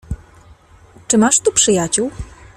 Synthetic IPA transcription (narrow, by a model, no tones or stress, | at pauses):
t͡ʂɘmaʂt̪upʂɘjat͡ɕuw